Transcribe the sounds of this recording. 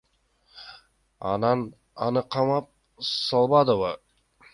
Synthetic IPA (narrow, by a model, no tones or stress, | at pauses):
ɑ̰nɑn | ɑnɨqʰɑmɑp̚ | sɑlˠbɑd̪ɨvə